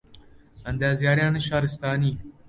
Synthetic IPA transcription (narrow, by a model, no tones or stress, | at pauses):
ɐnd̪aːzjaːɾjãːneʃaːɾɪst̪aːniː